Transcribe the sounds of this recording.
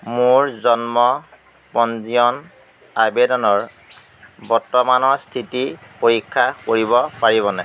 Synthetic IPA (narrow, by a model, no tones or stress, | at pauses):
mʊɹzɔnmɔ | pɔnziɔn | abedɔnɔɹ | bɔɹtːɔmanɔɹstʰitipoɹikʰːakoɹibɔpaɹiβɔnɛ̰